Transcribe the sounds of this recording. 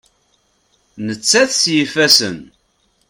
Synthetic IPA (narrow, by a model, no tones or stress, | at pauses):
nət͡sːæθsjəfæsə̰n